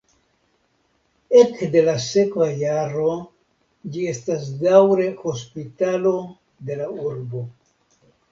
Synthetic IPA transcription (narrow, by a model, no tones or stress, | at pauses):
e̞kde̞lase̞kvajaɾo̞ | d͡ʒie̞stasdawɾe̞ho̞spitalo̞ | de̞lauɾbo̞